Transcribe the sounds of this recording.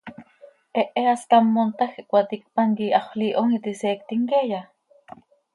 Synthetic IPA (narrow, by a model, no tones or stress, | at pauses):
ʔeʔeask̪amːont̪axiʔkʷat̪ik̚paŋkiʔaχʷliʔoŋit̪iseːk̚t̪iŋkeja